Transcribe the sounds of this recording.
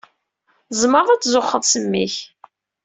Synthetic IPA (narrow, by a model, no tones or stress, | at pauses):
zˤməɾˤðˤæt͡sːzoχːəðˤsəmːiç